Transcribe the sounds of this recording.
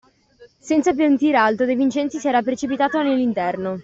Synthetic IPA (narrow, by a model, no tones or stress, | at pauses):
sɛnt̪sap̬jant̪iːɾealt̪od̪ejvint͡ʃɛnt̪sisiɛɾapɾet͡ʃipit̪aːt̪onelːint̪ɛrno